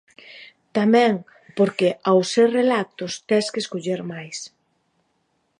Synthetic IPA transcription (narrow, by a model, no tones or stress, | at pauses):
t̪amɛ̃ŋ | poɾkeʔawserelat̪ʊst̪ɛskeskoʎeɾmajs